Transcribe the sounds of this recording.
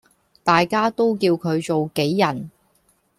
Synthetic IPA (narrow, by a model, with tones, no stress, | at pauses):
t̪aː˨jkaː˥t̪o˥wkiː˧wkʰɵ˨˧ɥt͡so˨wke˨˥jːɐ˨˩n